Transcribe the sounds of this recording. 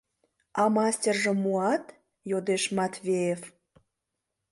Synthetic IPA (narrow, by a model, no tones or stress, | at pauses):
ɑmɑsʲtʲerʒĕmuɑt̪ | jod̪eʃmɑt̪vʲejef